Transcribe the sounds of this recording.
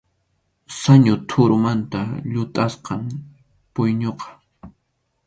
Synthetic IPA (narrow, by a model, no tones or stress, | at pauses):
saɲʊt̪ʰʊɾʊmant̪aʎʊt̪ʼasqɑm | pʊjɲoqɑ̥